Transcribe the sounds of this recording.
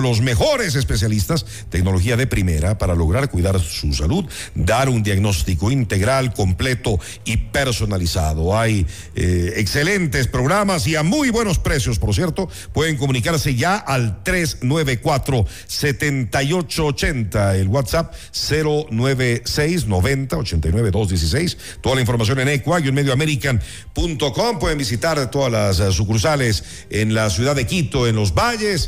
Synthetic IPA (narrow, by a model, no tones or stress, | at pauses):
lo̞s̬me̞xo̞ɾe̞s̬e̞spes̬jalist̪as | t̪e̞kno̞lo̞xiaðe̞pɾime̞̰ɾapaɾalo̞ɣ̞ɾaɾkwiðaɾsusaluð | d̪aɾund̪jaɣno̞st̪iko̞int̪e̞ɣɾalko̞mple̞t̪o̞ | ipe̞ɾso̞nalisa̰ðo̞aj | eekse̞le̞nt̪e̞spɾo̞ɣɾamasiamujbwe̞no̞spɾe̞sjo̞spo̞ɾs̬je̞ɾt̪o̞ | pwe̞ðeŋkomũnikaɾse̞ʝaʔalt̪ɾe̞snwe̞βekwat̪ɾo̞ | set̪ent̪ajo̞t͡ʃoːt͡ʃe̞nt̪aelɣwat̪sap̚ | se̞ɾo̞nwe̞βesejs̬no̞βe̞nt̪ao̞t͡ʃe̞nt̪ajnwe̞βe̞ðo̞zðje̞s̬is̬ejs | t̪o̞ðalaiɱfo̞ɾmas̬jo̞nenekwajunmeðjoameɾikan | punt̪o̞ko̞mpwe̞ðembisit̪aɾt̪o̞ðalassukuɾsales | enlasjuðaðekit̪o̞enlo̞zbaʝes